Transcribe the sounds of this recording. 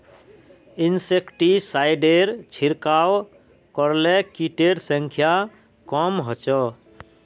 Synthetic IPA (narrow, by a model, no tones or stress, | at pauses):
insekʈisajɖeɾt͡ʃʰiɾkaw | kɔɾlekiʈeɖsə̃ŋkʰja | kɔmɦɔt͡ʃɔ